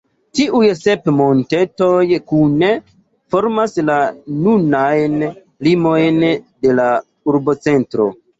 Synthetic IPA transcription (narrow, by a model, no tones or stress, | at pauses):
tiʔujsepmo̞ntetojkune | fo̞ɾmaslanunajn | limo̞jnde̞la | uɾbo̞t͡se̞ntɾo̰